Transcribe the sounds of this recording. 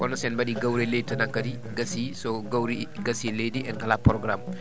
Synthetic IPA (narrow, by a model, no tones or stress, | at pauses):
ʔɔnɔsɛnbaɗiɡawɾɛledtanaŋkːadi | ɡasisɔɡawɾiɡasilejdiɛnkalapɾɔɡɾam